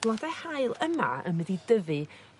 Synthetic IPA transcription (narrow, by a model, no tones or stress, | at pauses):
lˠadahaɨlˠəma̰ə̰nwɛðidəvɨ